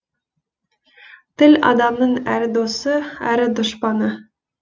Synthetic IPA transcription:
t̪ɪlʲɑ̰d̪ɑmnəɴæɾɪd̪osəæ̰ɾɪd̪oʃpɑnə

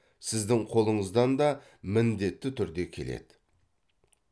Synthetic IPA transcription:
sɪzd̪ɪŋqʰo̞lˠəɴəzd̪ɑnd̪ɑ | mɪnd̪e̞t̪ːɪt̪ʰʏɾd̪e̞kʲʰe̞lḛd̪̥ɪ

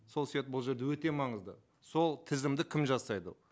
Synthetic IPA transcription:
so̞lˠsijet̪̚bʊlˠʒe̞ɾd̪e̞wɵt̪e̞mɑɴəzd̪ə̰ | so̞lˠt̪ʰɪzɪmd̪ɪkʲʰɪmʒɑsɑjd̪ə̰

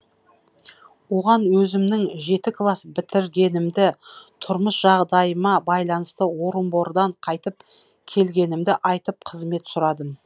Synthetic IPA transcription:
wo̞ʁɑnwɵzɪmnɪŋʒe̞t̪ɪkʰlˠɑsbɪt̪ɪɾɡʲe̞nɪmd̪ɪt̪ʰʊɾməsʒ̥ɑʁd̪ɑjəmɑbɑjlˠɑnəst̪əwo̞ɾəmbo̞ɾd̪ɑɴqʰɑjt̪əp̚ | kʲʰe̞lɡʲe̞nɪmd̪ɪʔɑjt̪əp̚qʰəzme̞t̪sʊɾɑd̪əm

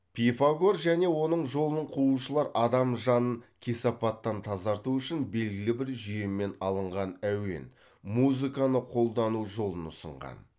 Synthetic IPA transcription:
pʲʰifaɡo̞ɾʒæne̞wo̞nəɴʒo̞lˠənəɴqʰuluʃəlˠɑɾʔɑd̪ɑmʒɑnəɴkʲʰesɑpɑt̪ːɑnt̪ʰɑzɑɾt̪uʏʃɪnbe̞lɡʲɪlɪbɪɾʒijemːe̞nɑlˠəɴʁɑnæwe̞̰n | muzɨkɑnəqʰo̞lˠd̪ɑnuʒo̞lˠənʊsə̰ɴʁɑ̰n

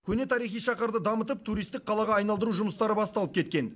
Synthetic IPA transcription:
kʲʰɵne̞t̪ʰɑɾijχijʃɑqəɾd̪əd̪ɑmət̪̬əp̚t̪ʰuɾist̪ɪk̚qʰɑlˠɑʁɑɑjnɑlˠd̪əɾuʒʊməst̪ɑɾəbɑst̪ɑlˠəp̚kʲe̞t̪̚kʲe̞n

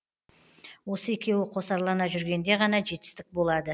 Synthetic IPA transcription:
wo̞səe̞kʲe̞wɪqʰo̞sɑɾlˠɑnɑʒʏɾɡʲe̞nd̪e̞ʁɑnɑʒe̞t̪ɪ̥st̪ɪk̚bo̞lˠɑd̪ə

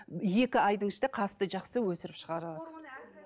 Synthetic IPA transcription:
je̞kʲɪɑjd̪əɴɪʃt̪eqʰɑst̪əʒɑqsəwɵsɪɾɪpʃəʁɑɾəlˠɑd̪ə

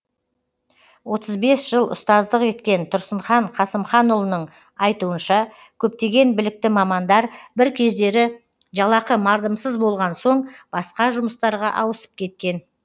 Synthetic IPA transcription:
wo̞t̪əzbe̞sʒ̥əlˠʊ̰st̪ɑzd̪əqe̞t̪kʲe̞nt̪ʰʊɾsəɴχɑɴqʰɑsəmχɑnʊlˠənəɴ | ɑjt̪uənʃɑ | kʲʰɵp̚t̪e̞ɡʲe̞nbɪlɪk̚t̪ɪmɑmɑnd̪ɑɾbɪɾkʲʰe̞zd̪e̞ɾɪ | ʒɑlˠɑqəmɑɾd̪əmsəzbo̞lˠʁɑnso̞ɴb̥ɑsqɑʒʊməst̪ɑɾʁɑʔɑwəsə̥p̚kʲʰe̞t̪̚kʲe̞n

